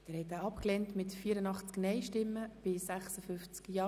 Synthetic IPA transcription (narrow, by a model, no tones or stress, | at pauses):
d̥ɛːɾhɛtaːɑpklɛntmɪtfiːəɾənɑχt͡sknɛɪʃtɪmːəb̥ɪsæχsəfʏnft͡skjɑː